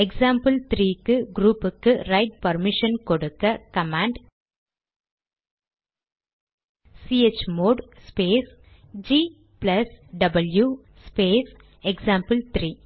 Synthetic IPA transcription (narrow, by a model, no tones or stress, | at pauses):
ɛksaːmpɐlt̪ɾiːkːɯɡɾuːpːɯkːɯɾɐɪʈ̚pɐɾmɪʂɐnkɔɽɯkːɐkɐmaːɳɖ | siet͡ʃːmoːɖspeːs | d͡ʒiː | plɐsɖɐbɐlju | speːs | ɛksaːmpɐlt̪ɾiː